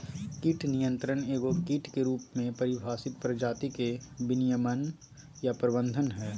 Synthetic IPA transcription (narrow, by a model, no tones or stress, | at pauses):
kiʈnijə̃nt̪ɾəneːɡokiːʈkeɾuːpmẽpɐɾɪbʱaːsɪt̪̚pɾəd͡ʒaːt̪ikebɪnijəmən | japɾəbə̃nd̪ʱənɦɛː